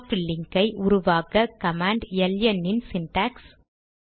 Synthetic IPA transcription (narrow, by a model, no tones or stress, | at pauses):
fɪlːɪŋɡɐɪʔʊɾʊʋaːɣɐkɐmaːɳɖjɛljɐnːɪnsɪnʈaːks